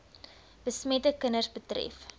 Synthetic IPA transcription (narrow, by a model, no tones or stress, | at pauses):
b̥əsmɛtəkənərsbətrɛ̰f